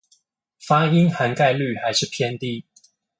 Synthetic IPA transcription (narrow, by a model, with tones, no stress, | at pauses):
fa˥i˦nxa˧˥nka˥˧ɪly˥˨xa˧˥ɪʂɻ̩˥˨pʰjɛ˥˧nt̪i˥˩